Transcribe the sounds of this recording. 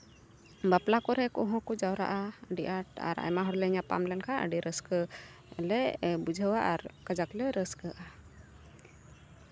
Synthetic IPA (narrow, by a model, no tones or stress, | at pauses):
baplakɔɾɛkɔɦɔ̃kɔd͡ʒawɾa̰ʔaəɖiʔaʈa̰ɾa̰jmaɦɔɾlɛɲapa̰mlɛnkʰaə̰ɖiɾəskə | ɛlɛbud͡ʒʱəwaʔaɾkad͡ʒaklɛɾəskəʔa